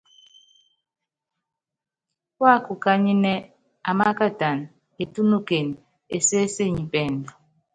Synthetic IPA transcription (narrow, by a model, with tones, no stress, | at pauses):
wa˦˨ku˨ka˦ɲi˦ne˦ | a˨ma˦ka˦ta˨n | e˨tu˦nu˦ke˨n | e˨se˦se˦˨ɲi˨bɛ˨n˨dɔ˨